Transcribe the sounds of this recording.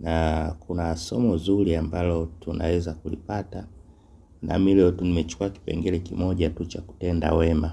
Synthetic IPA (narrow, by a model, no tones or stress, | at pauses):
nakunasɔmɔzuliambalɔtunʔa̰wɛzakulḭpata | nʔa̰milɛɔtunimɛt͡ʃu̥kuaki̥pɛ̰ŋɡɛlɛkimɔʄatut͡ʃaku̥tɛnda̰wɛma